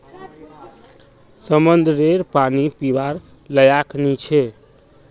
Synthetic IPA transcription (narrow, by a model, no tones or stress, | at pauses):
səmənd̪ʱɾeɾpanipiʋaɾ | ləjaknit͡ʃʰe